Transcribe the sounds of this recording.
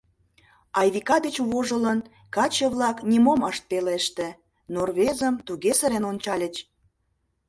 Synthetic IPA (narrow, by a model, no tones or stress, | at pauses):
ɑjβikɑd̪et͡ɕβoʒələn | kɑt͡ɕəβlɑknʲimoməʃt̪̚peleʃt̪ĕ | norβezəmt̪uɣesəɾenonʲt͡ɕɑlʲət͡ɕ